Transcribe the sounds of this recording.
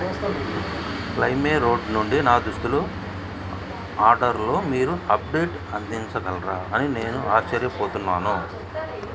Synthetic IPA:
klɐjmeːɾo̞ːɖnuɳɖinaːd̪uʂt̪ulu | aːɾɖɐɾlo̞ːmiːɾuɐp̚ɖe̞ːʈ | ɐnd̪iɲt͡ʃɐɡɐlɐɾaːɐnine̞ːnuaːt͡ʃːɐɾjɐpoːt̪unːaːnu

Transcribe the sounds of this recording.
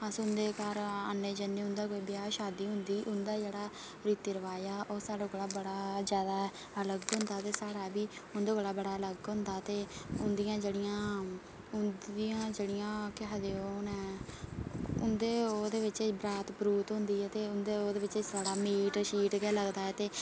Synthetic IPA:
əsʊnd̪eːkaɾənːeːd͡ʒənːeːʊnd̪aːkoːiːbɪjaːʃaːd̪iːɦʊnd̪iːʔʊnd̪aːd͡ʒeːɽaː | ɾiːt̪iːɾəʋaːjaːʔoːsaːɽoːɡəlaːbəɽaːzjaːd̪aː | ələɡɦʊ̃nd̪aːt̪eːsaːɽaːbiːʊnd̪oːɡəlaːbəɽaːələɡɦʊ̃nd̪aːt̪eːʊnd̪ijãːd͡ʒeːɽɪjãː | ʊnd̪iãːd͡ʒeːɽɪjãːkɪɦaːd̪eːoːnɛː | ʊnd̪eːoːd̪eːʋɪt͡ʃbɾaːt̪pɾuːt̪ɦʊnd̪iːɦɛːt̪eːʊnd̪eːoːd̪eːʋɪt͡ʃːsaːɽaːmiːʈʃiːʈɡɛːləɡd̪aːɛːt̪eː

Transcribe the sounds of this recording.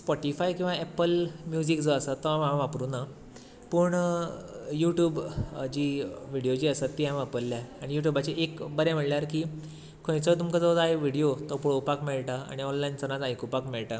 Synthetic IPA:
spɔʈifajkĩw̃ʋaɛpəlmjud͡ʑikd͡zəəsət̪ːɔãmããʋapɾuna | puɳ | juʈjuːbd͡ʑiːʋiɽijod͡ʑiːəsət̪ːiɦãʋapəlːjaaɽ̃ijuʈjubat͡ɕeʔekbəɾãm̤əɽljaɾki | kʰõjt͡sət̪umkəd͡zɔd͡zajʋiɽijot̪ɔpuɭowpakmiɭʈaa̰ɽ̃iɔnlajnt͡səɾad͡zajkupakmeɭʈa

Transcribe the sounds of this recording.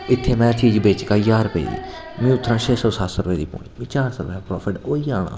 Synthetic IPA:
ɪt̪ʰːeːmɛ̃ːt̪ʰiːd͡ʒbeːt͡ʃkaːjaːɾpḛːd̪ḭː | mĩːʊt̪ʰːɾãːt͡ʃʰeːsɔːsaːsɾəpeːd̪ḭːpo̰ːniːmẽːt͡ʃaːɾsoɾpeːãpɾɔːpʰɪʈoːiːaːɳa̰ː

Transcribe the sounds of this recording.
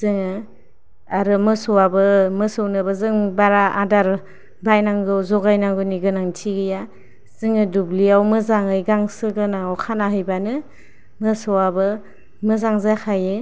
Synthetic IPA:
zɯŋɯ | aɾɯmɯsɔwabɯmɯsɯwnɯbɯzɯŋbaɾaʔadaɾ | bajnaŋɡɯwzɔɡajnaŋɡɯniɡɯnaŋtʰiɡɯja | z̥ɯŋɯdubliawmɯzaŋɯjɡaŋsɯɡɯnaŋɔwkʰanaɦɯjbanɯ | mɯsɔwabɯ | mɯzaŋzakʰaje

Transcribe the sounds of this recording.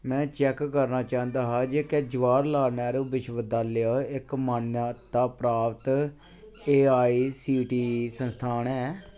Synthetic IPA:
mɛ̃ːt͡ʃɛːkːəɾnaːt͡ʃaːə̃nd̪aːɦaːd͡ʒeːkɛːd͡ʒəʋaːɾlaːnɛːɾoːbɪʃʋəd̪aːlɪjaːɪkmanːt̪aːpɾaːʋət̪ | eːaːiːsiːʈiːsənst̪ʰaːnɛː

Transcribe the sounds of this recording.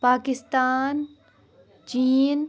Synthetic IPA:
paːkɪst̪aːn | t͡ʃiːn

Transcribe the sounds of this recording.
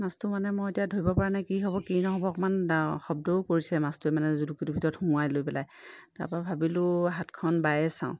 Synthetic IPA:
mastumanɛmɔjetijadʱoɹibɔpaɹanajkiɦɔbɔkinɔɦɔbɔkɔmanaxɔbdɔʊkoɹisɛmastuɛmanɛzulukitubʱitɔɹɔthũajlojpɛlaj | ta̰ɹpɔabʱabilʊɦatkʰɔnbajɛsã̰ʊ̃

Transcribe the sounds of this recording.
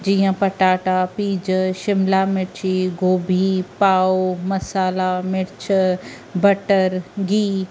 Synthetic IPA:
d͡ʑiːə̃pɐʈaːʈapiːd͡ʑʃɪmlamɪɽt͡ɕʰiɡʱoːbʱipaːomɐsaːlamɪɽt͡ɕʰ | bɐʈəɾɡiː

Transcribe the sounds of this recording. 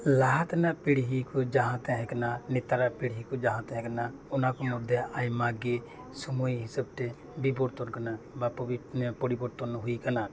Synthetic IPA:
laɦat̪anaʔpiɽɦikɔd͡ʒaɦãt̪ɛɦɛ̃kananit̪aɾaʔpiɽɦikɔd͡ʒaɦãt̪ɛɦɛ̃kana | ɔnakɔmɔɾd̪ɛajmaɡi | sumujɦisab̚ʈɛ | bibɔɽt̪ɔnkana | bapɔipɔɽibɔɽt̪ɔnɦujkana

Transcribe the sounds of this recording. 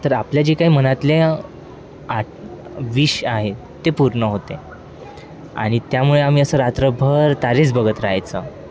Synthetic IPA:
t̪əɾapljad͡ʑikaɦiːmənat̪le | a | ʋiɕaɦe | t̪epuɾɳəɦot̪e | a̰ɽ̃it̪jamuɭeam̤iːəsəːɾat̪ɾəbʱəɾt̪aɾet͡sbəɡət̪ɾaɦajt͡sə

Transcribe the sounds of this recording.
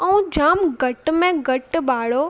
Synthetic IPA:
ɛ̃ũd͡ʑaːmɡɐʈmẽɡɐʈɓaːɽo

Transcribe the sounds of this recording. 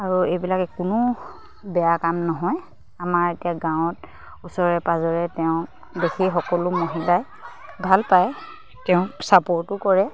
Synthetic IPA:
aɹuejbilakɛkʊnʊ | bɛjakamnɔɦɔj | amaɹetijaɡãw̃t̚ | usɔɹɛpazɔɹɛtɛʊ̃ | bexʰixɔkɔlʊmoɦilaj | bʱalpaj | tɛʊ̃sapɔɹtʊkɔɹɛ

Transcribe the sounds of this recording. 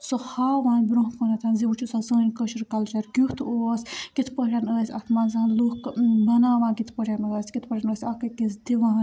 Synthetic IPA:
sohaːʋãːnbɾõɦkʰonɐt̪ʰaːnzibut͡ʃʰusasə̃ːnʲkəʃɾkɐlt͡ʃɐɾɡʲuht̪ʰoːsʲɡ̥it̪ʰpəɾʲanəːsʲɐ̰t̪ʰmaːnzaːnlokbɐnaːʋãːɡit̪ʰpəɾʲjanəːsʲɡit̪ʰpɐɾʲanəːsʲakɐkisd̪iʋaːn

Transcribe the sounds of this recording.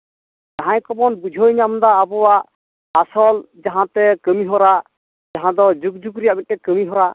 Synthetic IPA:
d͡ʒaɦãjkɔbɔnbud͡ʒʱɔjɲamd̪aːbɔwaʔː | sɔld͡ʒaɦãt̪ɛkəmiɦɔɾaʔ | d͡ʒaɦãd̪ɔd͡ʒuk̚d͡ʒukɾijaʔbit̪̚t̪ɛkəmiɦɔɾa

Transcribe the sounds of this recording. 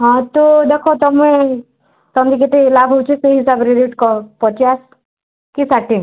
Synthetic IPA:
ɦɔ̃t̪od̪ekʰot̪ɔmẽ | t̪ɔmd̪ik̬et̪elabʱɦowt͡ʃʰɔseɦisabɾiɾiʈkɔpɔt͡ʃas | kisaʈi

